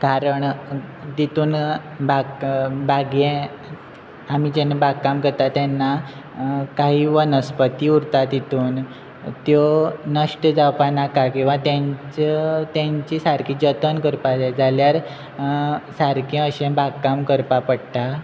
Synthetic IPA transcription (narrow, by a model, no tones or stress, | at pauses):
kaɾəɳd̪it̪uːn | baɡbaɡẽ | amid͡ʑenebaɡkːamkəɾt̪at̪janːa | kaɦiːʋənəspət̪iːuɾt̪at̪it̪uːn | t̪jonəʂʈəd͡zawpanakakĩw̃ʋat̪jãɲt͡ɕt͡sət̪jãɲt͡ɕiːsaɾkiːd͡ʑət̪ənkəɾpad͡zʱaljaɾ | saɾkjɛ̃əɕẽbaɡkamkəɾpapəɽt̪a